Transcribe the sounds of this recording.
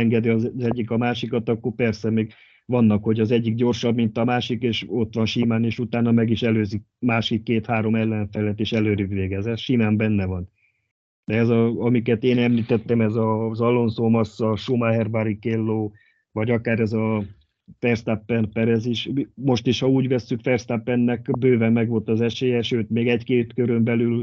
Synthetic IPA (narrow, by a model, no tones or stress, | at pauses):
ɛŋɡɛd̪iɒzɛɟːikɒmaːʃikɒt̪ɒkːorpɛrsɛmeːɡ | ʋɒnːɒkho̞ɟɒzɛɟːikɟo̞rʃɒbmint̪ɒmaːʃikeːʃo̞t̪ʋɒnʃimaːneːʃut̪aːnɒmɛɡiʃɛløːzik̚maːʃikːeːt̪haːɾo̞mɛlːɛɱfɛlɛt̪ːeːʃɛløːɾyɡʋeːɡɛzɛt̪ʃimaːmbɛnːɛvɒn | d̪̥ɛɛzɒɒmikɛt̪eːnɛmliːt̪ɛt̪ːɛmɛzɒzɒlːo̞nzoːmɒsːɒʃomaɦɛrbaɾikelːoː | vɒɟɒkaːɾɛzɒ | fɛrst̪apːɛnpɛɾɛziʃmo̞ʃt̪iʃhɒuːɟʋɛsːykfɛrst̪apːɛnːɛkbøːvɛmːɛɡʋo̞lt̪ɒzɛʃeːjɛʃøːt̪meːɡɛɟkeːt̪køɾømbɛlyl